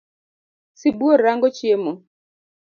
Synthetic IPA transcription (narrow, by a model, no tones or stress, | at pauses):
sibuoɾaŋɡɔt͡ʃemɔ